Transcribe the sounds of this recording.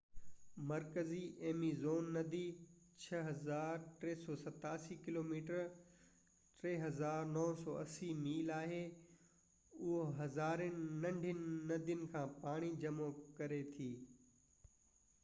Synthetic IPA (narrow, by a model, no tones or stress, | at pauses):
mɐɾkəziʔeːmizoːnːɐd̪i | t͡ɕʰɐɦɐzaːɾʈɾeːsɔːsɐt̪aːsikɪloːmiːʈəɾ | ʈɾeːɦɐzaːɾnɔːsɔːɐsimiːlaːɦe | ʊɦoɦɐzaːɾnɪnɐ̃ɳɖʱjʊnːɐd̪jʊnɪ̆kʰãːpaːɽ̃id͡ʑɐmokɐɾet̪ʰiː